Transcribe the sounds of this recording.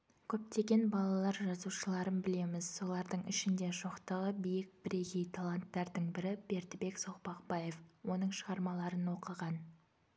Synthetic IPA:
kʲʰɵp̚t̪e̞ɡʲe̞nbɑlˠɑlˠɑɾʒɑzuʃəlˠɑɾənbɪle̞mɪz̥so̞lˠɑɾd̪əɴɪʃɪnd̪e̞ʒoqt̪əʁəbijɪk̚b̥ɪɾe̞ɡʲejt̪ʰalˠant̪ːɑɾd̪əɴbɪɾɪb̥e̞ɾt̪ɪbe̞ksoqpɑqbɑje̞fwo̞nəɴʃəʁɑɾmɑlˠɑɾənwo̞qəʁɑn

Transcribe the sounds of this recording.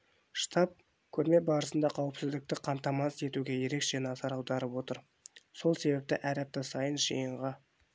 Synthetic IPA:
ʃt̪ʰɑp̚ | kʲʰɵɾme̞bɑɾəsənd̪ɑqʰɑwəpsɪzd̪ɪk̚t̪ɪqʰɑmt̪ɑmɑse̞t̪uɡʲe̞je̞ɾe̞kʒ̥æneɑzɑɾɑwd̪ɑɾəpwo̞t̪əɾ | so̞lˠse̞bep̚t̪ɪʔæɾɑp̚t̪ɑsɑjənʒijəɴʁɑ

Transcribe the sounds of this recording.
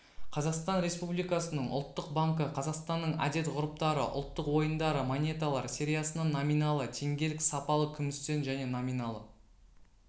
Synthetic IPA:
qʰɑzɑqst̪ɑnɾe̞spublijkɑsənəɴʊ̰lˠt̪ːəq̚baŋkəqʰɑzɑqst̪ɑnːəɴæ̰d̪e̞t̪ʁʊɾəp̚t̪ɑɾə̰ʔʊ̰lˠt̪ːəqwo̞jənd̪ɑɾəmonʲe̞t̪alˠɑɾsʲe̞ɾʲijɑsənɑnominɑlˠət̪ʰe̞ŋɡʲe̞lɪksɑpɑlˠəkʲʰʏmɪst̪e̞nʒæne̞nomʲijnɑlˠə

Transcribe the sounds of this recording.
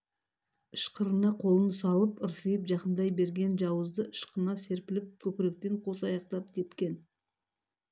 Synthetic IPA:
ɪʃqəɾənɑqʰo̞lˠənsɑlˠəpəɾsəjəpʒɑqənd̪ɑjbe̞ɾɡʲe̞nʒɑwəzd̪əɪʃqənɑse̞ɾpɪlɪp̚kʲʰɵpɪɾek̚t̪e̞ɴqʰo̞s̬ɑjɑq̚t̪ɑp̚k̪ʲʰe̞t̪kʲe̞n

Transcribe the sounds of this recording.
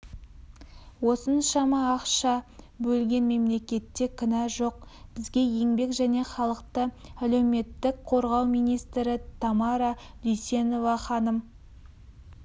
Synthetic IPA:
wo̞sənʃɑmɑːqʃɑ | bɵlɡʲe̞nme̞mle̞kʲe̞t̪ːe̞kʲʰɪnɑʒo̞q̚b̥ɪzɡʲe̞je̞ŋbe̞kʒæne̞χɑlˠəqt̪əæle̞wme̞t̪ːɪkqʰo̞ɾʁɑwmijnijst̪ɾɪt̪ʰɑmɑɾɑ | d̪ʏjse̞no̞vɑχɑnəm

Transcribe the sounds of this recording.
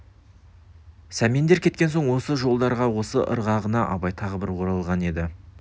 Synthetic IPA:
sæmind̪e̞ɾkʲʰe̞t̪̚kʲe̞nso̞ɴwo̞səʒo̞lˠd̪ɑɾʁɑwo̞səʔə̰ɾʁɑʁənɑʔɑ̰bɑjt̪ʰɑʁəbɪɾwʰoɾɑlˠʁɑne̞d̪ɪ

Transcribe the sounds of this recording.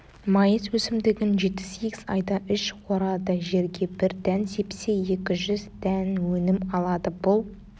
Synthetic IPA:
mɑjəzwɵsɪmd̪ɪɡʲɪnʒe̞t̪ːɪ̥seɡʲɪz̥ɑ̰jd̪ɑʔʏʃqʰoɾɑd̪əʒe̞ɾɡʲe̞bɪɾd̪ænsejpɪ̥seje̞kʲɪʒʏzd̪ænwɵnɪmɑlˠɑd̪əbʊlˠ

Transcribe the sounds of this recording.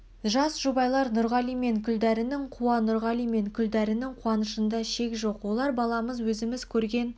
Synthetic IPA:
ʒɑsʒ̥ubɑjlˠɑɾnʊɾʁɑlˠijme̞ŋkʲʰʏld̪æɾɪnɪŋqʰuwɑnʊɾʁɑlijme̞ŋkʲʰʏld̪æɾɪnɪŋqʰuɑnəʃənd̪ɑʃe̞kʒo̞qwo̞lˠɑɾbɑlˠɑməzwɵzɪmɪz̥kʲʰɵɾɡʲe̞n

